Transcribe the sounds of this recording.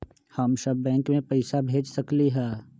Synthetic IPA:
hɐmʃɐbːɛ̃ːŋkmẽpɛɪsabʱeːd͡ʒsɐkliɦɛː

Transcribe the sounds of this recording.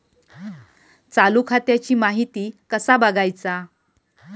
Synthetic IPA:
t͡salukʰat̪jat͡ɕiːmaɦit̪iːkəsabəɡajt͡sa

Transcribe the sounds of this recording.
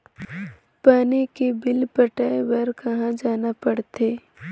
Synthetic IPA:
paːnekebɪlpəʈaːeʋəɾkɐɦãd͡ʒaːnapɐɽt̪eː

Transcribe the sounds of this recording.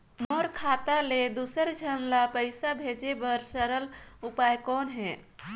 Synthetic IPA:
moːɾkʰaːt̪aled̪uːsəɾd͡ʒʱəmlapəɪsabʱeːd͡ʒebəɾsəɾəlʊpajkɔːnɦɛ̃ː

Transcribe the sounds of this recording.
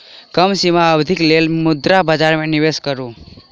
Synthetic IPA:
kəmsimaəbd̪ʱɪklelmʊd̪ɾabəd͡ʒaɾmẽnɪʋeskəɾũː

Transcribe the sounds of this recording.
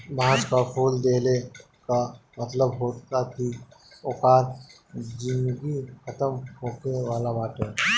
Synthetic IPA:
bʱãːt͡ʃkapʰuːld̪eːle | kamət̪ləbɦoːt̪at̪ʰiokaːɾ | d͡ʒɪ̃nd̪ɡikʰət̪əmɦoːkeʋaːlabaːʈõ

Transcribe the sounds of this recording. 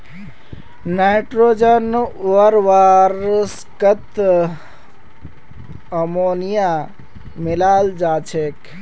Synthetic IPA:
naʈɾoːd͡ʒənoʋəɾʋaɾs | kət̪ | əmonija | mɪlaːld͡ʒaːt͡ʃʰek

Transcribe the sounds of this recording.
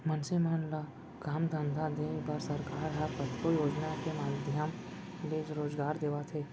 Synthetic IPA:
mɐnsimaːnla | ɡaːmd̪ʱə̃nd̪ʱad̪eːbɐɾsɐɾkaːɾɦɛpɐt̪kojoːd͡ʒnakemaːd̪ʱjəm | leːd͡ʒɾoːzɡaːɾd̪eːʋat̪ʰeː

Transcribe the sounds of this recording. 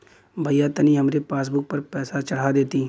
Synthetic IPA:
bʱəjat̪ɐniɦɐmɾepaːs̬bʊk̚pɐɾpɛːsat͡ʃɐɽ̤ad̪eːt̪iː

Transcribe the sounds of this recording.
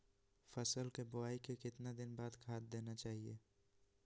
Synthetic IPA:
fɐsəlkebʊaːikekɪt̪nad̪ɪnbaːd̪kʰaːt̪̚d̪eːnat͡ʃaːɦieː

